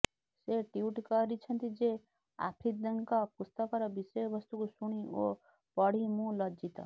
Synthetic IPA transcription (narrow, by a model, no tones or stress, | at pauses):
seʈiuʈkɔɾit͡ʃʰʌnt̪id͡ʒe | a̰pʰid̪ɔŋkɔpust̪ɔkɔɾɔbisɔjɔbɔst̪ukusuɽ̃io | pɔɽ̤imũlɔd͡ʒit̪ɔ̰